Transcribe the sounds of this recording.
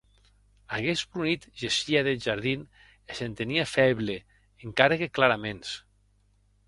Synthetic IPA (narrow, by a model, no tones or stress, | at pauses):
aɣezpɾunit̪ʒesiaðelʒaɾðin | esent̪eniafɛβle | eŋkaɾeɣeklaɾamens